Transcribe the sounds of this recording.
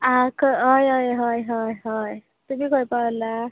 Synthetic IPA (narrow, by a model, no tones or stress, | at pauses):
akʌɦʌjɦʌjɦʌjɦʌjɦʌj | t̪umiɡʌjpala